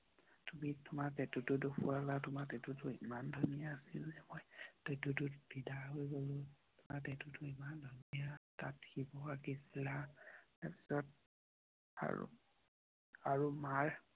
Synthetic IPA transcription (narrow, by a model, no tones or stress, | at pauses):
tumitʊmaɹtɛtʊtʊdopʰualatʊmatɛtutʊimandʱɔnijaːsilzɛmojtetutʊb̥ʱidaɦojɡolʊ | tʊmaɹtɛtutʊimandʱɔnijatat̚hibɔakisilataɹpi̥sɔt̚ | a̰ɹṵ | aɹumaɹ